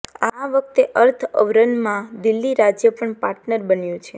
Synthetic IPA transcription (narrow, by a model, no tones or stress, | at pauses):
aʋək̚t̪eʔəɾt̪ʰəʋɾənmãd̪ɪlːiɾad͡ʒjəpəɳpaɾʈnəɾbənjũt͡ʃʰe